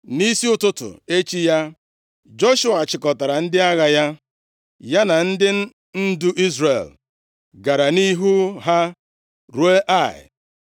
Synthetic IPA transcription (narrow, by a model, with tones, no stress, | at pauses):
ni˦si˦ʊ˦tʊ˦tʊ̰˨e˦t͡ʃi˦ja˦ | d͡ʒo˦ʃʊ˦a˨t͡ʃɪ˨kɔ˨ta˨ɾa˨n̩˦dɪ˦a˦ɣa˨ja˦ | ja˦na˨n̩˦dɪ˦ | n̩˦du˦ʔi˦zre˨l | ɡa˨ɾa˨ni˦ɦu˦ɦa˦ | ɾu˨e˦ʔa˦˨ɪ̰˨